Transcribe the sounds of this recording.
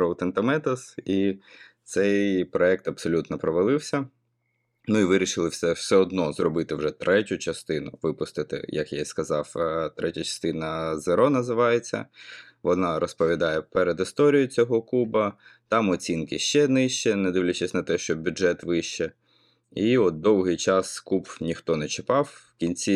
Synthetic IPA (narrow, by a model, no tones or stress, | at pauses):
ɾolˠt̪ɛnt̪ɐmɛt̪ɐsit̪sɛjpɾɔɛk̚t̪ɐbsɔlʲut̪nɔpɾɔʋɐlˠɪwsʲɐ | nuiʋɪɾʲiʃɪlˠɪwsɛw̥sɛɔd̪nɔzrɔbɪt̪ɪwʒɛt̪ɾʔɛtʲʊt͡ʃɐst̪ɪnʊ̰ʋɪpʊst̪ɪt̪ɪ̰jɐ̰kja̰skɐzɑwt̪ɾʔɛtʲɐt͡ʃɐ̥st̪ɪnɐzeɾɔnɐzɪʋɑjet͡sʲːɐ̰ | ʋɔnɑɾɔspɔʋʲid̪ɑjɛpɛɾed̪ɪst̪ɔɾʲijʊt͡sʲɔɦɔkubɐt̪ɑmɔt͡sʲinkɪʃt͡ʃɛnɪʃt͡ʃɛnɛd̪ɪwlʲɐt͡ʃesʲnɐt̪ɛʃt͡ʃɔbʲuʒɛt̪ʋɪʃt͡ʃɛ | iɔt̪̚d̪ɔwɦɪjt͡ʃɑskubnʲixt̪ɔnɛt͡ʃɪpɑwːkʲinʲt͡sʲi